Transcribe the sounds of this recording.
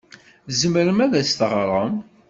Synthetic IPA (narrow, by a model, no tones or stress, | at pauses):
zəməɾəmæðæst̪əʁɾˤəm